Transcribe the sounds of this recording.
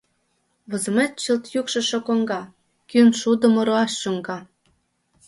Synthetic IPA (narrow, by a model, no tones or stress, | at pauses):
βɤ̆zə̆met̪̚t͡ɕəlt̪jukʃɤ̆ʃokoŋɡɑ | kynʃud̪ə̆mŏɾoɑʃːuŋɡɑ